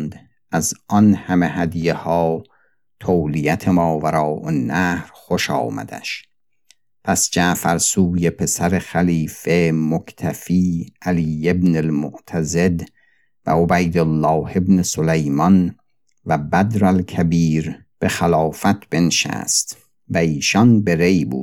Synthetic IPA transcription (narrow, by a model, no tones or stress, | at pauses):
nd̪ | ʔæzɒnhæmehæd̪jehɒː | t̪ʰoːlijæt̪ʰemɒːvæɾɒːʔonːæhɾχoʃɒ̰ːmæ̰d̪̥æ̰ʃ | pʰæsd͡ʒæːfæɾsuːje̞pʰe̞sæɾexæliːfe̞mokʰt̪ʰæfiːæliːebnelmoʔt̪ʰæze̞d̪ | væ̰obæjd̪olːɒːhe̞bnesolejmɒn | væbæd̪ɾælkʰæbiːɾ | b̥e̞xælɒːfæt̪ʰb̥enʃæ̰ːst̪ | væiːʃɒnbe̞ɾe̞jbṵːd̪d̪̥